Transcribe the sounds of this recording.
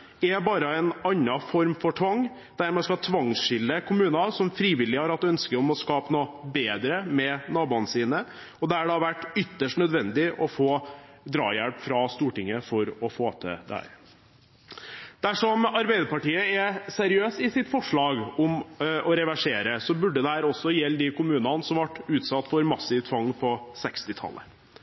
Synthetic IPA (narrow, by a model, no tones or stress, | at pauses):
ɛbɑːɾəɛnɑnːɑfɔɾmfɔʈʰʋɑŋː | d̪̥æɾmɛskɑt̪ʰʋɑŋsʂɪlːəkʰʊmʉːnɑsɔmfɾiːʋɪlːɪhɑɾɑt̪̚d̪ʉœnskəɾɔmɔskɑːpənoːbeːd̪ɾəmɛnɑːbuːənəsiːnə | ɔd̪ɛæɖɑʋæʈːʏt̪ːəʂʈnœd̪ʋɛnd̪ɪʔɔfoːd̪ɾɑ̰ːjæɽpfɾɑst̪uːʈɪŋːəfɔɾɔfoːt̪ʰə̰d̪æ̰ | d̪̥æʂɔmɑɾbæɪd̪əɾpɑʈiːəɛsæɾɪøːsɪsɪt̪fɔʂɭɑːɡɔmʔɔɾɛʋæʂeːɾəsɔbʉɖːəd̪ɛhæːɾɔsːɔjɛlːd̪ɪkʊmʉːnɑnəsɔmʋɑʈːʉːt̪sɑt̪ːfɔɾmɑsɪʋt̪ʰʋɑŋːpʰɔsɛkst̪ɪt̪ʰɑ̰lːə̰